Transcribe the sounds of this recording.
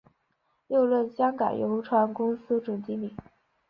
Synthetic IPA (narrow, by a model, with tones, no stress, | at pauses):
ljo˥˧ʊlwə˥˩nɕjɑ˥ŋka˨˩njo˧˥ʊʈ͡ʂʰwa˧˥nkʊ˥ŋsɹ̩˥ʈ͡ʂʊ˨˩ŋt͡ɕi˧˥mi˨˩˦ŋ